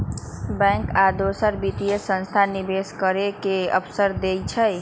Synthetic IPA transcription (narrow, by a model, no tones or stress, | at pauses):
bɛ̃ŋkad̪osəɾbit̪ijesə̃nst̪ʰanibeskəɾekeə̰pʰsəɾd̪ejt͡ʃʰəj